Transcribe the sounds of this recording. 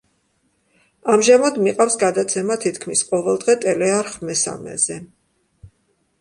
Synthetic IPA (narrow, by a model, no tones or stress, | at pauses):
amʒamad̪miqʼafsɡad̪at̪sʰɛmat̪ʰit̪ʰkʰmisqʼɔvɛlˠd̪ʁɛt̪ʼɛlɛaɾχmɛsa̰mɛ̰z̥ɛ